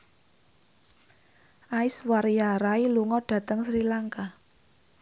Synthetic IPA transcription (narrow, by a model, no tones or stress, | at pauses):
ʔaɪswaɾijaɾailuŋɔɖ̥ä̤t̪əŋsɾilaŋka